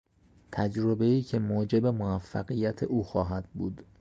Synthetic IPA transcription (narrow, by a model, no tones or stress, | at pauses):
t̪ʰæd͡ʒɾo̞beiːcʰe̞moːd͡ʒe̞be̞moæfːæɣijæt̪ʰeʔuːxɒːɦæd̪̥̚buːd̪̥